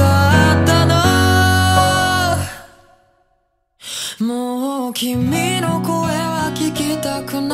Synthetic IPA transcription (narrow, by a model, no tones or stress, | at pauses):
aat̪ana | mokʲimʲinokoeβakʲikʲit̪akɯn